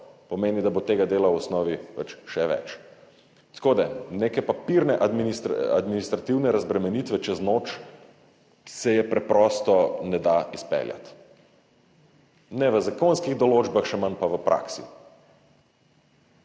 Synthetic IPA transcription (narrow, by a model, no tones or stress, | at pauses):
pɔmeːnid̪abot̪eːɡad̪eːlawɔsnɔːʋipɐ̰t͡ʃʃɛʋɛ̰t͡ʃ | t̪koːd̪ɛnekɛpapiɾnɛʔad̪minist̪ɾa̰d̪minist̪ɾat̪iwnɛɾazbɾɛmɛnit̪ʋɛt͡ʃɛznot͡ʃ | sɛjɛpɾɛpɾɔːst̪ɔnɛd̪aispɛ̰lja̰t̪ | nɛʋəzakonskiɣd̪ɔloːd͡ʒbaxʃɛmanpaʋəpɾʔa̰ksḭ